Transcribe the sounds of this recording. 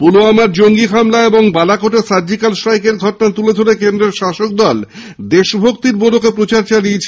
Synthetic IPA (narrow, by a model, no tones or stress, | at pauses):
puloamaɾd͡ʑoŋɡikʰamlaeboŋbalakoʈesaɾd͡ʑikalʃɾajkeɾɡʱɔʈonat̪uled̪ʱoɾekend̪ɾeɾʃaʃok̚d̪ɔl | d̪eʃbʱok̚t̪iɾbolokepɾot͡ɕaɾt͡ɕaliet͡ɕʰ